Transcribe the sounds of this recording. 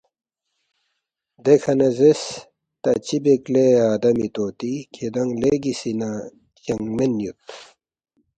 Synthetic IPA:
d̪ekʰɐnɐzes | t̪ɐt͡ɕibekleaːd̪ɐmit̪oːt̪ikʰed̪ɐŋleɡisina | jɐŋmenjut̪

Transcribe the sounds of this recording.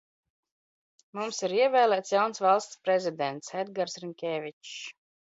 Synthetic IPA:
mumsiɾiɛvʲɛːlˠæːt̪sjawnsvalˠst̪spɾɛzʲid̪ɛnt̪sɛd̪ɡaɾsɾimʲkʲɛːvʲit͡ʃ

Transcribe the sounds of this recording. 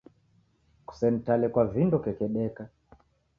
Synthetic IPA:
ku̥sɛn̩talɛkwavindɔkɛkɛɗɛka

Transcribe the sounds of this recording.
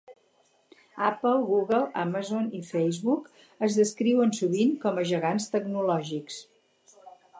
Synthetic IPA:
apəlˠɣuɣəlˠa̰mazonifɛjzβuk | əzðəskɾiwənsuβiŋkɔməʒəɣanst̪əɡnulɔʒiks

